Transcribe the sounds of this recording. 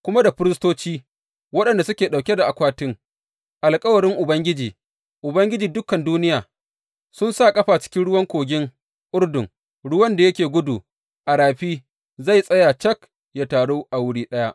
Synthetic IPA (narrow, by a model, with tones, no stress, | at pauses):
kʷʊ˦ma˦da˨ɸɪ˦ɾɪ˦stoː˦t͡ʃiː˦ | wɐ˦ɗɐ˨nda˨sʊ˦kʲeː˨ɗa˨wkʲe˦da˨ʔa˨kʷaː˦tɪ˦ŋ | ʔa˨lkʼɐ˦wɐ˨ɾɪ˦ŋʔʊ˨bɐ˦ŋɡʲɪ˦d͡ʒiː˨ | ʔʊ˨bɐ˦ŋɡʲɪ˦d͡ʒiː˨dʊ˦kɐ˨nduː˦nɪ˦jaː˨ | sʊ˦nsaː˦˨kʼɐ˦ɸaː˨t͡ʃɪ̥˦kʲɪ˦nɽʊ˦wɐ˦ŋkʷoː˨ɡʲɪ˦ŋ | ʔʊ˦rdʊ˨ŋ | ɽʊ˦wɐ˦nda˨jɐ˦kʲeː˨ɡʷʊ˦duː˨ | ʔa˨ɽaː˨ɸiː˦ | za˦˨jsʼɐ˦ja˨t͡ʃɐ˦k | jaː˦taː˨ɽoː˦ʔa˨wʊ˦ɽiː˦ɗɐ˦ja˦ʔ